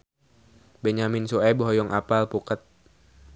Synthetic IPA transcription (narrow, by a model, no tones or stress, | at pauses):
bɛɲaminsuɛbɔɦɔjɔŋʔapalpukət̪̚